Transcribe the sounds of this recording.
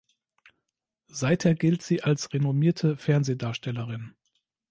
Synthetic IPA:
z̥aɪtheːɐɡɪltz̥iːʔalsʁenomiːɐtʰəfɛɐnzeːdaːɐʃtɛləʁɪn

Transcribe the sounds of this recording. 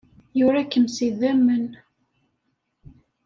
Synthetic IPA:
jʊɾækːəmsiðæmːən

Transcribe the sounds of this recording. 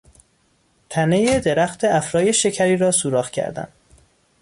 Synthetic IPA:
t̪ʰænejed̪eɾæxt̪ʰeæfɾɒːje̞ʃecʰæɾiːɾɒːsuːɾɒːxcʰæ̰ɾd̪æ̰nd̪

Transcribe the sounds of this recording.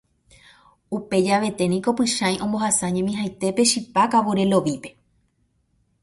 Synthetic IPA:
upe̞d͡ʒaʋe̞t̪e̞nĩko̞pɨʃãj̃ʔõ̞mbo̞hasaɲẽmĩɦajt̪e̞pe̞ʃipakaʋoɾe̞lo̞ʋipe̞̥

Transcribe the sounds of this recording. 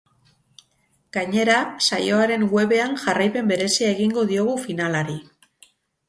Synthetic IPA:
ɡ̥aɲe̞ɾasajo̞aɾe̞ŋɡwe̞βe̞anʝarajpe̞mbe̞ɾe̞siae̞ɣ̞iŋɡo̞ðio̞ɣ̞ufinalaɾi

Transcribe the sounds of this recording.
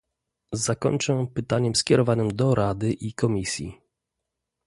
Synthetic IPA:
zakɔ̰ɲt͡ʂɛ̃pɘt̪aɲɛmskʲjɛɾɔvanɘmd̪ɔɾad̪ɘʔikɔmʲisʲjḭ

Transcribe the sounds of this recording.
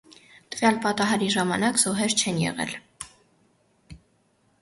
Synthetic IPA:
t̪əvjɑlpɑt̪ɑɦɑɾiʒɑmɑnɑkz̥ɔɦɛɾt͡ʃʰɛnjɛ̰ʁɛ̰l

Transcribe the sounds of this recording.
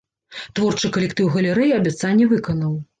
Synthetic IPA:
t̪vɔrt͡ʂɨkɐlʲɛkt̪ɨwɣɐlʲɛɾɛjiɐbʲat̪sanʲːɛvɨkɐnɐw

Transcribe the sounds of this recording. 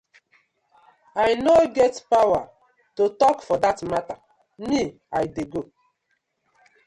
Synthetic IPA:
ajnoɡɛtpawa | totɔkfɔdatmata | ni | ajdeɡo

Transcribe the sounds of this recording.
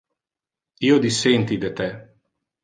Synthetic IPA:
iod̪iseːnt̪id̪ɛt̪ɛ

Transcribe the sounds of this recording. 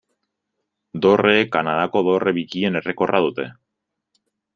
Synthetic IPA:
d̪o̞re̞ːkːanaðako̞ðo̞re̞βikie̞ne̞re̞ko̞rʔað̞ut̪e̞

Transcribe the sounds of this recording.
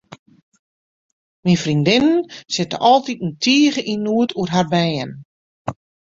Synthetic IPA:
minfrindɪnənsɪtə̰ʔɔlˠtitəntʰiːəɣəʔinuətʰuərɦarbɛjən

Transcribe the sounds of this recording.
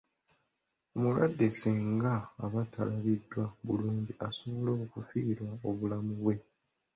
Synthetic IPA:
omulwadːe̞siːŋɡaːβatʰalaβidːwaβuluːɲɟiʔaso̞βoloːkufiːɾwao̞βulamuβwe̞

